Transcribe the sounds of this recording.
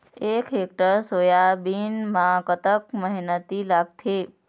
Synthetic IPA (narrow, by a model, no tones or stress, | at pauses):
eːkɦeːk̚ʈəɾsoːjabiːnmãkət̪ək̚məɦnət̪ilaɡ̚t̪ʰeː